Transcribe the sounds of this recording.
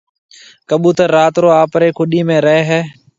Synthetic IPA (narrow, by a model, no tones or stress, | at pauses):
kəɓũːt̪əɾaːt̪ɾoːaːpɾeːkʰʊɗiːmẽːɾəɦeːɦɛː